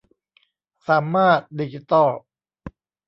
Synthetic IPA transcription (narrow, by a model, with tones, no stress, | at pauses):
saː˩˦maː˥˩t̪̚di˧t͡ɕi˧t̪ɔ˥˩